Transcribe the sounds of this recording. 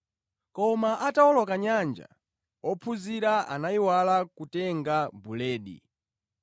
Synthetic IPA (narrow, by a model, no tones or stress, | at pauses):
kɔmaʔataɔlɔkaɲand͡ʒa̰ | ɔpʰuziɾaa̰naiwalakutɛŋɡabulɛːɗḭ